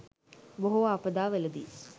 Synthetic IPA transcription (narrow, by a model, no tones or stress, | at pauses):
boɦuapəd̪aːʋeləd̪iː